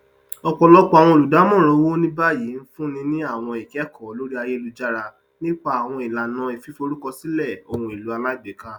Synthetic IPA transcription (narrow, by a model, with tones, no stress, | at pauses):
ɔ˧k͡pɔ˧lɔ˦k͡pɔ˦a˨w̃ɔ̃˧o˨lu˨da˨˦mɔ̃˦˨ɾ̃õ˨˧˦wo˦nĩ˦ba˦ji˨˦n̩˦fũ˦nĩ˧nĩ˦a˦˨w̃ɔ̃˧i˨kɛ˨˦kɔ˨˦lo˦ɾi˦a˧je˦˧lu˧d͡ʒa˦ɾa˧ | nĩ˦k͡pa˦a˨w̃ɔ̃˧i˨la˨nã˨˧˦i˨fi˨˦fo˧ɾu˦kɔ˧si˨˦lɛ˦˨o̰˨hũ˧˨i˨lu˨˦a˧la˦i˦˨ɡ͡be˨˦ka˦